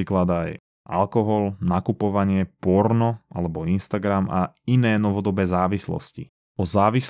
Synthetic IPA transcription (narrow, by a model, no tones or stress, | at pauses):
iklad̪aj | ʔa̰lkɔɦɔlnakupɔʋaɲɪɛpɔɾnɔa̰lɛbɔinst̪aɡɾama̰ | inɛːnɔʋɔd̪ɔbɛːzaːʋislɔ̰scḭ | ɔzaːʋis